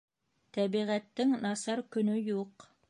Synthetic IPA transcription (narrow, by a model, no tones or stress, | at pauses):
t̪æβiʁæt̪ːɘŋnɑsɑɾkɵ̆nɵjuq